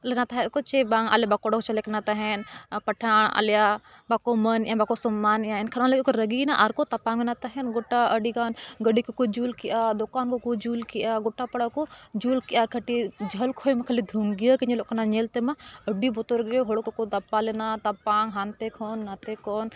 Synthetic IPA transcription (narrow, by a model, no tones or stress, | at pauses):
lenat̪aɦet̪kot͡ʃebãːŋa̰lebakoɽokt͡ʃɐlekɐnat̪aɦenpɐʈʰaːɳɐ̰lja | bakomɐnjãbakosɐmːaːnjãenkʰɐnãlekokɾəɡinaʔaɾkot̪ɐpaːŋɡonat̪ɐɦenɡoʈːaʔəɖiɡaːnɡəɖikokod͡ʒuːlkiʔaːd̪okaːnkokud͡ʒuːlkijʔaːɡʊʈːapɐɽakod͡ʒuːlkiʔakʰəʈid͡ʒʱəlkʰoːjmɐkʰəlid̪ʱuŋɡijəkiɲiloʔknaɲelt̪emaəɖibot̪oɾɡeɦoɽokokot̪ɐpːalenat̪ɐpaːŋɡɦant̪ekʰoːnːat̪ekoːn